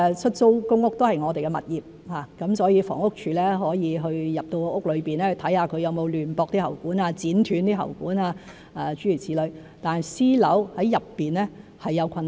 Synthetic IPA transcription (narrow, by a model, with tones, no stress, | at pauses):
t͡ʃʰɵ˥t̚so˥wkʊ˥ŋʊ˥k̚t̪o˥hɐ˨jŋɔː˨˧t̪e˨jkɛ˧mɐ̰˨t̚jiː˨p̚haː˨˩kɐ˨˥msɔː˨˥jiː˧fɔ̰ː˨˩ŋʊ˥k̚t͡ʃʰyː˨˧lɛː˥ɦɔː˨˥jiː˨˧ɦɵ˧ɥjɐ˨p̚t̪o˧wʊ˥k̚lɵ˨˧ɥpiː˨˩nɛː˥hɵ˧t̪ʰɐ˨˥jhaː˨˧kʰɵ˨˧ɥjɐ˨˧wmo˨˧wlyː˨˩npɔː˧k̚t̪i˥hɐ̰˨˩wkuː˨˥naː˧t͡siː˨˥nt̪ʰyː˨˥nt̪iː˥ɦɐ̰˨˩wkuː˨˥naː˧ | aː˨t͡ʃyː˨˥ɥyː˨˩t͡sʰiː˨˥lɵ˨˧ɥ | t̪aː˨nɐ˨jsiː˥lɐ˨˥whɐ˨˥jjɐ˨pːiː˨nɛː˥hɐ˨jːɐ˨˧wkʰɐ˧n